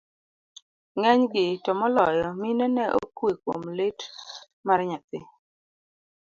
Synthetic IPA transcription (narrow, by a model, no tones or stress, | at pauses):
ŋɛɲɡɪtɔmɔlɔjɔminɔnɛʔo̰kweko̰mlɪt | marɲat̪ɪ